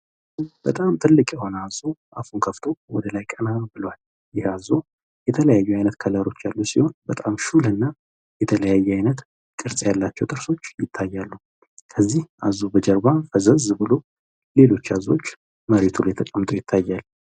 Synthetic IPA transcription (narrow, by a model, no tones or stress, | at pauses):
b̥ət̪ʼamt̪ʰɨlːɨkʼjɛho̞nazoʔafunkʰəft̪ʰo̞wɔd̪əlajkʼənabɨlwal | jɪhazo | jɛt̪ʰələjajːuajnət̪kʰələɾo̞t͡ʃːalːusiho̞nbət̪ʼamʃulɨnːa | jɛt̪ʰələjajːɛajnət̪ | kʼɨɾsʼjalːat͡ʃːɛwt̪ʼɨɾso̞t͡ʃːjɪt̪ʰːajːalːu | kʰəzːihazubəd͡ʒəɾbafəzəzbɨlo̞ | le̞lo̞t͡ʃːazo̞t͡ʃː | məɾet̪ʰuljɛt̪ʰəkʼəmːt̪ʼo̞jɪt̪ʰːajːal